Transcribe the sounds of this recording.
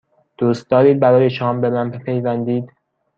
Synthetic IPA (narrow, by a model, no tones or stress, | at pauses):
d̪̥uːst̪̚d̪ɒːɾiːd̪̚bæɾɒːjeʃɒːmbe̞mænpepʰe̞jvænd̪iːd̪̥